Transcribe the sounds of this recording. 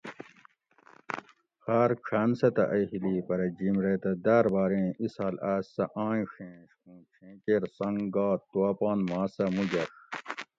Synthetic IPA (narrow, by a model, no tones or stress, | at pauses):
xaːɾkʰaːnsɐt̪ɐ̰ʔɐhilipɐɾɐd͡ʑimɾet̪ɐd̪aːɾbaːɾẽːisaːlaːsɐʔãːĩʂẽːʂkũːʈ͡ʂʰẽːkeːɾsɐŋɡaːtt̪ːuɐːpaːnmaːsɐmud͡ʑɐʂ